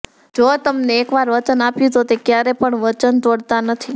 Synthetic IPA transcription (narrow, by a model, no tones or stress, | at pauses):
d͡ʒot̪əmneːkʋaɾʋət͡ʃənapjũt̪ot̪ekjaɾepəɳʋət͡ʃənt̪oɽt̪anət̪ʰi